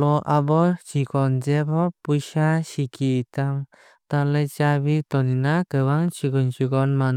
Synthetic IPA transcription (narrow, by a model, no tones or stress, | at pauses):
ɔʔabɔt͡ʃikɔnd͡ʒɛbɔpujʃasikʰit̪am | t̪alɛt͡ʃaβit̪ɔninakəwaŋt͡ʃiɡɔnt͡ʃiɡɔnman